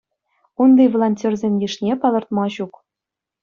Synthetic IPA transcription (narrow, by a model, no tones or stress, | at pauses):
und̪ijvolˠonʲtʲorzʲemʲjʲiʂnʲepɑlˠɤ̆rt̪mɑɕuk